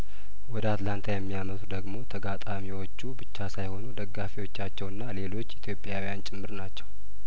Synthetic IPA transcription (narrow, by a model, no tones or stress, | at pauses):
wɔd̪əat̪lant̪ʰajɛmːijamət̪ud̪əɡmo̞t̪ʰəɡat̪ʼamiwo̞t͡ʃːubɨt͡ʃːasajho̞nud̪əɡːafiwo̞t͡ʃːat͡ʃːɛwɨnːale̞lo̞t͡ʃːit̪ʰjo̞pʼjawijant͡ʃʼɪmːɨɾnat͡ʃːɛw